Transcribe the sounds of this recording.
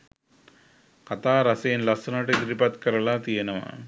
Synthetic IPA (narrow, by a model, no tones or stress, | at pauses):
kɐt̪aːɾɐseːnlɐsɐnɐʈed̪ɾipɐt̪kɐɾɐlaːt̪ijɐnɐʋa̰